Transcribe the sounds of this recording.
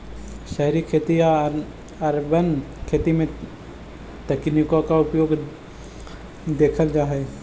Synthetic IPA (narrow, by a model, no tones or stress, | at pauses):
ʃɛɦɾikʰeːt̪ia | ɐɾbənkʰeːt̪imẽ | t̪ɐknikokaʊpjoːɡ | d̪eːkʰəld͡ʒaːɦe